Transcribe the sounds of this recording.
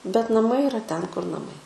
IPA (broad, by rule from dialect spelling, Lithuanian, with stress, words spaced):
bʲɛt nɐˈmɐɪ ɪˈrɐ ˈtʲɛn kʊr nɐˈmɐɪ